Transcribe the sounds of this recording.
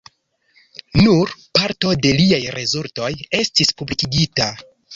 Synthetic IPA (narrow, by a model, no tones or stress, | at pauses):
nuɾpaɾto̞de̞liajɾʔe̞zulto̞je̞stispublikiɡita